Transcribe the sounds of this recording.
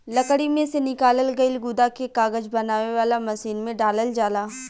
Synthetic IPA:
lɐkɽimẽsenɪkaːləlɡɐɪlɡʊd̪akekaːɡəd͡ʒbɐnaːʋeʋaːlamɐsiːnmẽɖaːləld͡ʒaːlaː

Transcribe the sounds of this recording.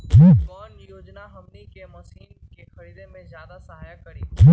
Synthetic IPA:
kʰiːkkɔːnjoːd͡ʒnaɦɐmnikemɐsiːn | kexɐɾiːd̪ẽmẽzjaːd̪asɐɦaːjakɐɾikʰiː

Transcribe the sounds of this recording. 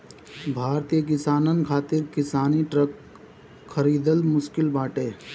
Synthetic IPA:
bʱaːɾt̪ijək̬ɪsaːnənkʰaːt̪ɪɾkɪsaːniʈɾəkʰ | xəɾiːd̪əlmʊʃkɪlbaːʈeː

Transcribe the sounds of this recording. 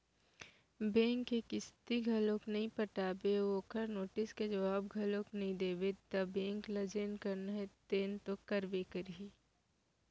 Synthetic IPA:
bẽːŋkekɪst̪iɡʱɐlõknɐɦĩpɐʈaːbeoːkəɾnoːʈɪsked͡ʒɐbaːbɡʱɐlõknɐɦĩd̪eːbet̪ɐbẽːŋklɐd͡ʒenkɐɾnaɦet̪eːnt̪okɐɾbekəɾɦiː

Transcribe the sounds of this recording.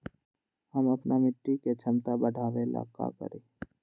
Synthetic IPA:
həmɐpnamɪʈːiket͡ʃʰəmt̪abəɖʱaːʋela̰ka̰kə̰ɾeː

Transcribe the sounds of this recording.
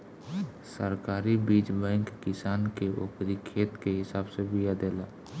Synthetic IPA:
səɾkaːɾibiːd͡ʒbɛ̃ːŋkːɪsaːnkeʔo̰ːkɾikʰeːt̪keɦɪsaːbsebijad̪eːlaː

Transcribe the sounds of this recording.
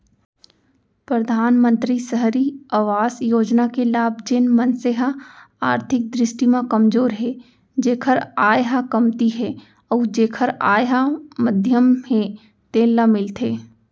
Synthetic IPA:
pɾəd̪ʱaːnmə̃nt̪ɾisəɦɾiaʋaːzjoːd͡ʒnakelaːb̚ʱd͡ʒɪnmənseɦa | aːɾt̪ʰɪk̚d̪ɾɪʃʈimãkəmzoːɾɦɛ | d͡ʒeːkʰəɾaːjɦakɐmt̪iɦɛ | ɔːd͡ʒeːkʰəɾaːjɦaməd̪ʱjəmɦẽ | t̪eːlamɪlt̪ʰeː

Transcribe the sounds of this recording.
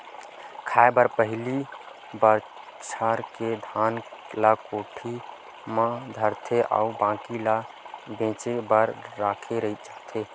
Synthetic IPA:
kʰaebəɾpəɦli | bəɾ | t͡ʃʰaɾked̪ʱaːnlakoʈʰi | mãd̪ʱəɾt̪ʰeʔa̰ːubãːkila | bẽːt͡ʃebəɾːaːkʰeɾəit͡ʃaɦt̪ʰe

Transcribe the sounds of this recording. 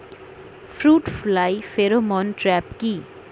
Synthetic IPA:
fɾuʈflajfeɾomɔnʈɾɛpki

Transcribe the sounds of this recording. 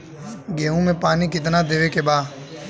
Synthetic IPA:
ɡẽːɦũːmẽpaːniːkɪt̪̬naːd̪eːʋeːkeːɓaː

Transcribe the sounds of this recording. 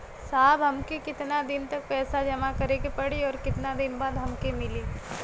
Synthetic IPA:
saːbɦɐmkekɪt̪nad̪ɪnt̪ɐk̚pɛːsad͡ʒɐmakɐɾekepɐɽiɔːɾkɪt̪nad̪ɪnbaːd̪ɦɐmkemɪliː

